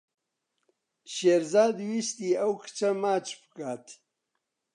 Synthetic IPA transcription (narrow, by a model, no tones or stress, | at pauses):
ɕeɾzaːd̪wist̪iawki̥t͡ʃamaːt͡ʃpəkaːt̪ʰi̥